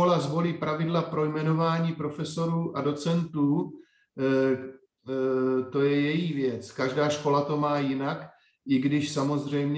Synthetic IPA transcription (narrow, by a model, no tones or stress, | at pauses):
olazvo̞liːpɾavɪdlapɾo̞jmɛno̞vaːɲiːpɾo̞fɛso̞ɾuːʔado̞t͡sɛnt̪uː | t̪o̞jɛjɛjivjɛt͡skaʒdaːʃko̞lat̪o̞maːjɪnak | ʔɪɡdɪʃsamo̞zr̝ɛjmɲ